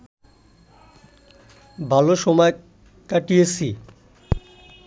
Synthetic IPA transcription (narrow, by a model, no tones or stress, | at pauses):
bʱaloʃɔmɔe | kaʈiesʰi